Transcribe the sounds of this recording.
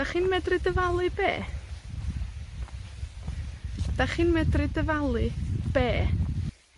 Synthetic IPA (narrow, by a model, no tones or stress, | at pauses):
d̥aχiːnmɛdrɨdəvalˠɨbḛː | d̥aχiːnmɛdrɨdəvalˠɨb̥eː